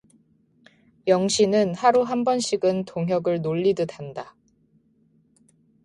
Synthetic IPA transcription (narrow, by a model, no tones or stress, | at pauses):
jʌŋɕʰinɯnhaɾuɦambʌnɕʰiɡɯntoŋɦjʌɡɯɭnoʎːidɯdanda